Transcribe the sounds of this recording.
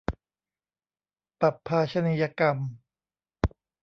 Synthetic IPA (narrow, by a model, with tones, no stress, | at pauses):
pa˨˩pʰːaː˧t͡ɕʰa˧ni˧ja˧ka˧m